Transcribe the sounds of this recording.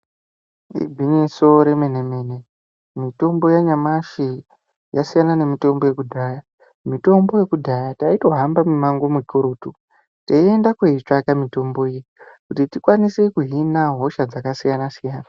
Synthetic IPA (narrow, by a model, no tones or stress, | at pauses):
ḭbʱiniso̞ɾe̞menemeːne̞ | mito̞mbo̞jaɲamaʃi | jasijanane̞mito̞mbo̞je̞kudʱaːja | mito̞mbo̞je̞kudʱajataito̞ɦambamumaŋɡo̞mukuɾuːtu | teie̞ndakweit͡ʂakamito̞mbo̞ijkutitikwanisekuɦinaɦo̞ʃad͡zakasijanasijaːna